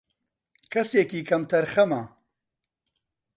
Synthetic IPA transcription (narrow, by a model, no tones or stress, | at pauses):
kʰɐseːkiːkʰɐmt̪ʰɐɾxɐmɐ